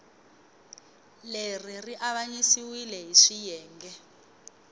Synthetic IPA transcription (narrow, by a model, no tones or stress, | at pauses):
leririʔaɓaɲisiwilɛɦiʂijɛːŋɡɛ